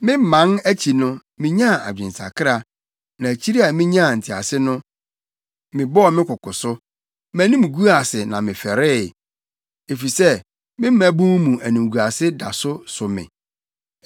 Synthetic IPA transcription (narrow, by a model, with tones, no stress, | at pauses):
mɪ̃˦˨mã˨˦næ˦t͡ɕʰi˨nʊ̃˦mɪ̃˦ɲã˦˨a̰˨d͡ʑᶣɪ̃˨n˨sa̰˨kʰɪ˦ɾa˨ | nã˨æ˨t͡ɕʰi˦ɾi˦a˨mɪ̃˦ɲã˦˨n̩˨tʰɪ˨a̰˨sɪ˦nʊ̃˦ | mɪ̃˨bɔ˦ɔ˨mɪ̃˦kʰʊ˨kʊ˨sʊ˦ | mæ̃˨nĩ˦m˨ɡu˦a˨sɪ˨nã˨mɪ̃˨fɛ˨ɾɪ˦˨ | e˨fi˨sɛ˦ | mɪ̃˦m̩˦mæ̃˦bũ˦mũ˨æ˨nĩ˨ɡu˨a˨sɪ˦da̰˨sʊ˦sʊ˨mɪ̰̃˨